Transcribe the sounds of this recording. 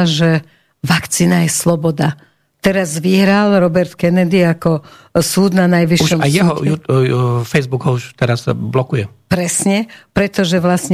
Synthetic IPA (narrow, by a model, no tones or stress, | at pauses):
ʒɛ | ʋakt͡siːnajɛslɔbɔd̪a | t̪ɛɾazʋiɦɾalɾɔbɛɾt̪kɛnɛd̪iakɔsuːd̪nanajʋiʃuʃɔmajɛɦɔju | fɛjzbukɔuʃt̪ɛɾazblɔkujɛ | pɾɛsɲɛpɾɛt̪ɔʒɛʋlasɲ